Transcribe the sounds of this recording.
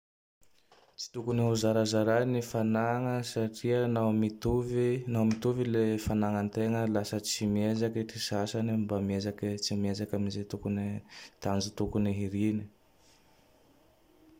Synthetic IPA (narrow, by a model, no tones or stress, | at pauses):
t͡si̥t̪ukuniɦuzaɾazaɾanifanaŋəsaʈ͡ʂiənamit̪uvinawmit̪uvilefanaŋənt̪eŋəlasət͡simiezakiʈ͡ʂisasanimbamiezakit͡simiezakʲamizet̪ukunit̪and͡ʒut̪ukuniɦiɾini